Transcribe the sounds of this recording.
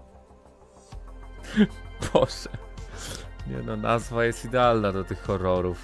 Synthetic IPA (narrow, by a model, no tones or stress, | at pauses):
b̥ɔʂɛ | ɲɛ̰nɔna̰zvajɛst̪id̪ɛalnad̪ɔt̪ɘxːɔɾɔɾuf